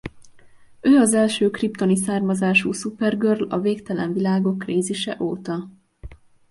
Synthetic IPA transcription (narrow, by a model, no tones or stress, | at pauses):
øːɒzɛlʃøːkrip̚t̪o̞nisaːrmɒzaːʃuːsupɛrɡørlɒ̰veːkt̪ɛlɛ̰ɱvilaːɡo̞kːreːziʃɛ̰ʔoːt̪ɒ